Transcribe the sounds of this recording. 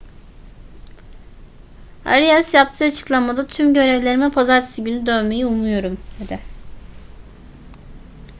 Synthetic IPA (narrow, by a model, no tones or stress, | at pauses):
a̰ɾijasjap̚t̪ʰɯːat͡ʃʰɯ̥klˠanmad̪at̪ʰymɟø̞ɾɛvlʲe̞ɾimɛpʰazaɾt̪ʰɯ̥sɯɟynyd̪øːme̞jiumujo̞ɾumd̪̥e̞d̪ɪ